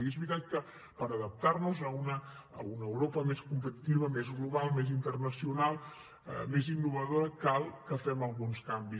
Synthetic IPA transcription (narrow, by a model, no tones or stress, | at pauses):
iezβɾit̪at̪̚kə | pəɾəðəp̚t̪arnuzəunə̰ː | unəəwɾopəmeskumpət̪i̥t̪iβəmezɣluβalˠmezint̪ərnəsiunalˠ | ə̰mezinːuβ̞əðoɾəkalˠkəfɛməlˠɣunskambi